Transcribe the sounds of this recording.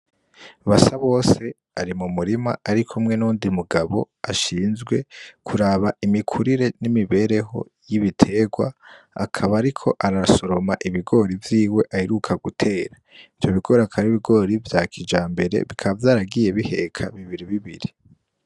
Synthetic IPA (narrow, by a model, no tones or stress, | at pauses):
βasaβo̞ːse̞ | aɾimumuɾima̰aɾikʰumŋe̞nuːndimuɡaβo̞̰ | aʃiːnzɡwe̞kʰuɾaβaimikʰuɾiɾe̞nimiβe̞ɾe̞ɦo̞̰ | jiβitʰe̞ɡwa̰ | a̰kʰaβaːɾikʰo̞ʔaɾaso̞ɾo̞maʔiβiɡo̞ɾivjiːwe̞ʔaheɾukʰaɡutʰe̞ːɾa | ivjo̞βiɡo̞ːɾakʰaɾiβiɡo̞ːɾivjaːkʰid͡ʒaːmbe̞ɾe̞̰βikʰaβavjaːɾaɡije̞βihe̞kʰaβiβiɾiβiβḭɾi